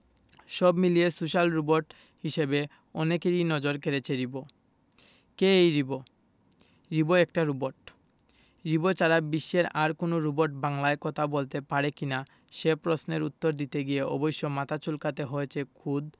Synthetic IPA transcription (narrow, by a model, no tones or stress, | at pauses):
ʃɔbmiliesuʃalɾuboɾʈ | ɦiʃebe | ɔnekeɾinɔd͡ʑoɾkeɾet͡ɕʰeɾibo | keejɾibo | ɾiboɛk̚ʈaɾuboɾʈ | ɾibot͡ɕaɾabiʃːeɾaɾkonoɾuboɾʈbaŋlaekɔt̪ʰabolt̪epaɾekina | ʃepɾosneɾut̪ːoɾd̪it̪eɡijeɔ̰bojʃːomat̪ʰat͡ɕulkat̪eɦoet͡ɕʰekʰud̪